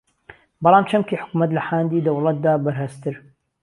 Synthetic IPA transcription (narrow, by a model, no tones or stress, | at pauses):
bɑlˠɑːmt͡ʃʰɐmkiːħʊ̥kumɐt̪lɐħaːnd̪iːd̪ɐwlɐt̪̚d̪aːbɐɾhɐst̪ɪɾ